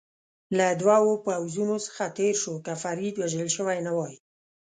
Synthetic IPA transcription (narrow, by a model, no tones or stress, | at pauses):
lad̪wɑwopawzunosə̥xat̪eɾʃokafaɾid̪waʒəlʃəwajnawɑji